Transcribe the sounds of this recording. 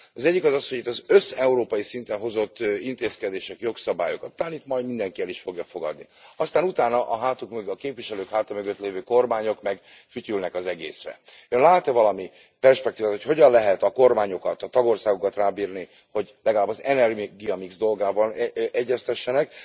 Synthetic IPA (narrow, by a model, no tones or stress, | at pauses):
ɒzɛɟːikɒzɒsho̞ɟit̪ːɒzø̞sɛuɾoːpɒjisint̪ɛnɦo̞zo̞t̪ːint̪eːskɛd̪eːʃɛkjo̞ksɒbaːjo̞kɒt̪ːaːnit̪mɒjd̪mind̪ɛŋkiɛliʃfo̞ɡjɒfo̞ɡɒ̰d̪nḭɒst̪aːnut̪aːnɒʔɒɦaːt̪ukmøɡɒkeːpviʃɛløːkhaːt̪ɒmøɡøt̪leːvøːko̞rmaːɲo̞kmɛɡ | fyt̪ylnɛkɒzɛɡḛːsrɛ̰øːnlaːt̪ɛvɒlɒmi | pɛrʃpɛkt̪iːvaːt̪hocho̞ɟɒnlɛɦɛt̪ɒko̞rmaːɲo̞kɒt̪ɒt̪ɒɡo̞rsaːɡokɒt̪raːbiːrni | ho̞ɟlɛɡɒlaːbɒzɛnɛriɡijɒmiɡzd̪o̞lɡaːbɒnʔɛɟːɛst̪ɛʃːɛnɛk